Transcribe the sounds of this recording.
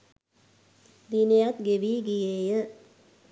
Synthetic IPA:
d̪inejat̪̚ɡeʋiːɡijeːjə

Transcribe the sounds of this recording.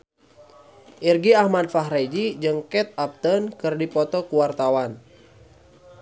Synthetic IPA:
ʔirɡiahmadfaɦɾed͡ʒid͡ʒɨŋkɛt̪̚ap̚t̪ənkɨrdipɔt̪ɔkuwart̪awan

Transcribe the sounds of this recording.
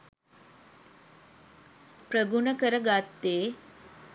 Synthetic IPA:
prəɡunəkəɾəɡat̪ːeː

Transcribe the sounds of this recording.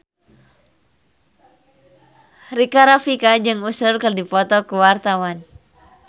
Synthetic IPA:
rikaɾafikad͡ʒɨŋusərkərdipɔt̪ɔkuwart̪awan

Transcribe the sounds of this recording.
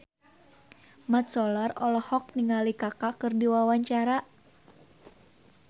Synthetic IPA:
mat̪̚sɔlarɔlɔhɔk̚niŋalikakakɨrdiwawaɲt͡ʃaɾa

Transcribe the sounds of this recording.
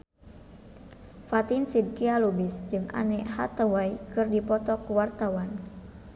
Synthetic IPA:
fat̪insid̚kialubisd͡ʒɨŋʔa̰nɛʔha̰t̪awajkɨrdipɔt̪ɔkuwart̪awan

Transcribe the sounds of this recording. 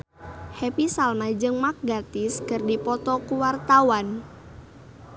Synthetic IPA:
hɛpisalmad͡ʒɨŋmak̚ɡat̪ɪskɨrdipɔt̪ɔkuwart̪awan

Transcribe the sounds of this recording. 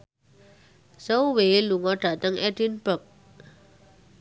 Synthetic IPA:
sowweluŋɔɖ̥a̤t̪əŋɛdinbək̚

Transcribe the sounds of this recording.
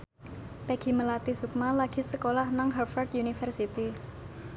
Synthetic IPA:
pɛɡ̥i̤məlat̪isuk̚malaɡ̥i̤səkolahnaŋɦarfard̪junifərsit̪i

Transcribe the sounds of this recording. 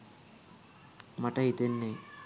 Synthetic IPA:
mɐʈɐɦit̪enːe

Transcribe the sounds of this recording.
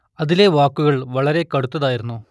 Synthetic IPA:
ɐðile̞ʋaːkːuɣɐɭʋɐɭɐɾe̞kɐɽut̪ːɐðaːjiɾunːu

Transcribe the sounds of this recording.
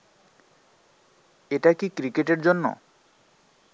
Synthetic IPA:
eʈakikɾikeʈeɾd͡ʑonːo̰

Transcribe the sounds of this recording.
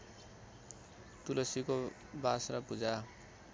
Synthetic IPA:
t̪ulʌsiko | basrʌpud͡za

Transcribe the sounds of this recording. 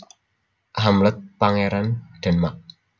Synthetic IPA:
hamlət̪̚paŋeɾanɖ̥a̤nmak̚

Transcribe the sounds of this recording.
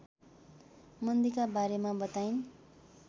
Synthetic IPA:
mʌnd̪ikabaɾemabʌt̪ajn

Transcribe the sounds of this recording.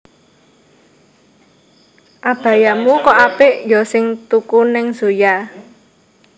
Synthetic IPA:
ʔab̥a̤jamukɔʔapɪʔjɔsɪŋt̪ukunɪŋz̥oja

